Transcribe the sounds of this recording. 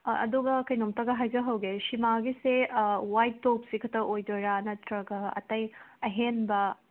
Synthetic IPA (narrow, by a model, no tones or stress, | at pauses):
ɐ̰duɡɐkɐjnomtɐɡɐɦajzɐɦɐwɡesimaɡisewajtːop̚sikʰɐtɐʔojdoɾanɐtɾɐɡɐɐ̰tɐjɐɦenbɐ